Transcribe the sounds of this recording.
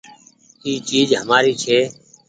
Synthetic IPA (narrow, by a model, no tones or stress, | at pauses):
iːt͡ʃiːd͡ʒɦəmaːɾiːt͡ʃʰeː